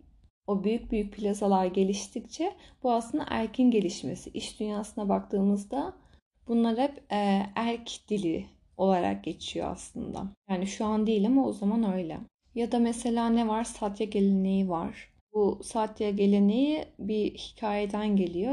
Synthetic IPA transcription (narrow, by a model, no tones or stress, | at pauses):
o̞byjyc̚byjyc̚pʰilʲasalˠaɾɟe̞lʲiʃt̪ʰict͡ʃʰɛb̥uaslˠɯnd̪a̰ʔæɾcʰinɟe̞lʲiʃme̞̰siʔiʃd̪ynjaːsɯnabakt̪ʰɯːmɯzd̪a | b̥unlˠaɾhɛpːæɾcʰd̪̥ilʲi | o̞lˠaɾa̰k̚ɟe̞t͡ʃʰijo̞̰a̰slˠɯnd̪a̰jaːniʃuand̪ijlʲimozamanø̞jlʲɛ̰ | jad̪amese̞lʲaːnɛvaɾsat̪ʰjaɟe̞lʲe̞ne̞jivaɾ̥ | busat̪ʰjaɟe̞lʲe̞ne̞jibihi̥cʰaːjed̪ænɟe̞lʲijo̞